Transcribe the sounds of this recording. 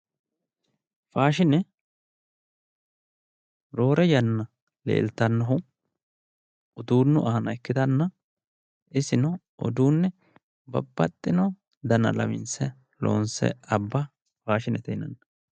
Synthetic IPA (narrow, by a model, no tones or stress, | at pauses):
faːʃɪnɛ | ɾoːɾɛjɐnːɐ | lḛːlt̪ːɐnːɐɦʊ | ɔd̪uːnːʊʔɐhɐnɐɛkːɪd̪ɐnːɐ | ɪsɪnɔ | ʔɔ̰d̪uːnːɛ | bɐ̰bːɐt̪ʼːɪnɔ | d̪ɐnɐ̰lɐ̰mɪ̰nsɛ | lo̰ːnsɛ̰ɐbːɐ | faːʃɪnɛt̪ɛjɪnɐ̰nːɐ